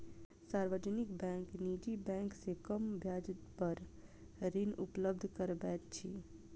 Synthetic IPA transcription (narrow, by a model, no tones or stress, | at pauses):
saːɾʋəd͡ʒnɪkbɛ̃ːŋknid͡ʒibɛ̃ːŋksekəmbʱjaːd͡ʒ̪pəɾ | ɾɪnʊpləbd̪ʱkəɾbɛːt̪̚t͡ʃʰi